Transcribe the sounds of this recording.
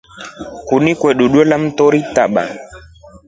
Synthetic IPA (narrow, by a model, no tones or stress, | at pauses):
kunikwɛɗuɗwɔlam̩tɔɾitaɓa̰